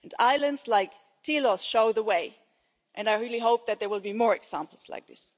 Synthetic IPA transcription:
na̰ɪlˠɨ̃ndz̥laɪk | tʰilɔsʃoʊðəweɪ | ʔɨ̃naɪɹilˠiɦoʊp̚ðɨt̪̚ðə˞wɪlˠbimɔɹɨksæ̃mpl̩ˠz̥la̰ɪk̚ðɪ̰s

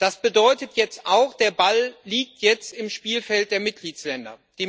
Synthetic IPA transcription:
d̥asb̥ədɔʏtətʰjɛt͡stʔaʊxd̥eːɐballiːk̚tʰjɛt͡stɪmʃpiːlfɛlt̚d̥eːɐmɪt̚ɡ̥liːslɛndɐ̰d̥iː

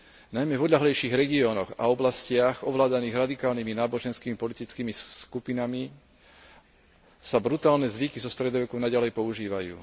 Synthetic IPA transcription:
najmɛvɔd̪ʎaɦlɛjʃiːɣɾɛɡiɔːnɔɣa̰ɔblascɪaɣɔʋlaːd̪aniːɣɾad̪ikaːlniminaːbɔʒɛnskiːmipɔlit̪it͡skiːmiskupinami | sabɾut̪aːlnɛzʋikizɔst̪ɾɛd̪ɔʋɛkɔʊnaɟalɛjpɔuʒiːʋajṵː

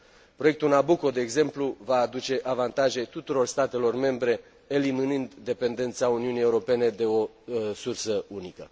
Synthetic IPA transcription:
pɾo̞jek̚t̪ulnabuko̞d̪e̞ːɡze̞mpluvaːd̪ut͡ʃe̞ʔavant̪aʒe̞t̪ut̪uɾo̞rst̪at̪e̞lo̞rme̞mbɾe̞ | eliminɨnd̪ːe̞pe̞nd̪e̞nt̪sauniunije̞uɾo̞pe̞ne̞d̪e̞o̞ | sursəunikə̰

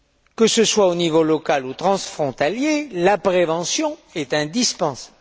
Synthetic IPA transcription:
kəsəswaonivolɔkalut̪χɑ̃sfχɔ̃t̪aljelapχevɑ̃sjɔ̃ɛt̪ɛ̃d̪ispɑ̃sḁb

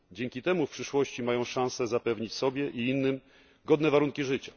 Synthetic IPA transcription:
d͡ʑɛŋkʲit̪ɛmufpʂɘʂwɔɕt͡ɕimajɔ̃w̃ʂãñsɛzapɛvɲit͡ɕsɔbʲjɛʔiinːɘm | ɡɔd̪nɛvaɾuŋkʲiʐɘt͡ɕa

